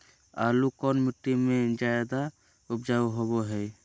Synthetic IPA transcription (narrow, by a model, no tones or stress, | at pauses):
aːlukɔːnmɪʈːimẽd͡ʒajd̪a | ʊpd͡ʒaːɦoboɦɛː